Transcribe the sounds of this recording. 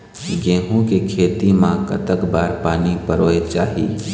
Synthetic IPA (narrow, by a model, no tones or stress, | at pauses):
ɡẽːɦõkekʰeːt̪imãkə̰t̪əkbaːɾpaːnipəɾoːet͡ʃaːɦḭː